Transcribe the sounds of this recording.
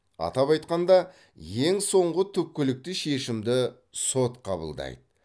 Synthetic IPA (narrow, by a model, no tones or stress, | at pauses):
ɑ̰t̪ɑpɑjt̪̚qɑnd̪ɑ | je̞ŋso̞ɴʁət̪ʰɵp̚kʲɪlɪk̚t̪ɪʃe̞ʃɪmd̪ɪ | so̞t̪qʰɑ̰bə̰lˠd̪ɑ̰jd̪ə